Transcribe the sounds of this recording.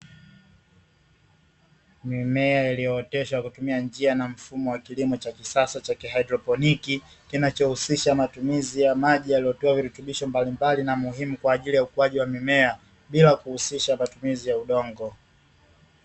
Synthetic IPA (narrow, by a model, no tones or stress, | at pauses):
mimɛailijɔːtɛʃakutumiand͡ʒianam̩fumɔwakilimɔt͡ʃakisasat͡ʃakiɦajdɾɔpɔniki | kinat͡ʃɔhusiʃamatumizijamaʄijalijɔtɔaviɾɛtuɓiʃɔmbalimbalinamuɦimukwaːʄilijaukuwaʄiwamimɛa | ɓilakuhusiʃamatumizijauɗɔŋɡɔ